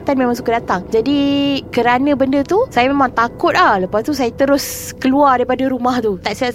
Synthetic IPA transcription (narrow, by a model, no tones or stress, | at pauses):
t̪anmẽmaŋs̬ukadat̪aŋd͡ʒadikəɾanə̃bəndət̪usajamemãŋt̪akʊt̪̚lahləpast̪us̬ajat̪əɾʊskəluardaɾipadaɾumaht̪ut̪aʔsia